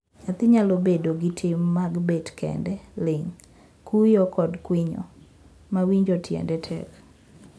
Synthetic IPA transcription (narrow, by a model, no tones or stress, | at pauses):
at̪ɪɲalobedoɡitʰɪmːaɡbetkɛ̰ndɛlɪŋ | kʰujɔkɔdkwɪɲɔ̰ | mawiɲd͡ʒɔtʰjɛ̰ndɛtʰɛ̰k